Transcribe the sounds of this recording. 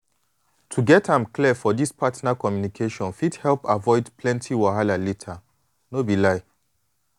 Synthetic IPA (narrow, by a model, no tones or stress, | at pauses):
tʰuɡɛtãmklifɔdispʰatnakɔmjunikʰeʃɔ̃nfithɛlpavɔɪdpʰlɛ̃ntʰiwahalalitʰa | nobilaɪ